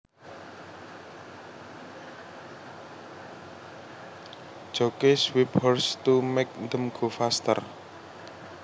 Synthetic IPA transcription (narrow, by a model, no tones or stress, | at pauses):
d̥ʒ̥okeswibɔrst̪umek̚nd̪əmɡ̥ofast̪ə̰r